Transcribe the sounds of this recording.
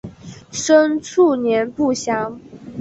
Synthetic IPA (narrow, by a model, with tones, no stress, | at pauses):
ʂə˥nt͡sʰu˥˩njɛ˧˥npu˥˩ɕjɑ˥ŋ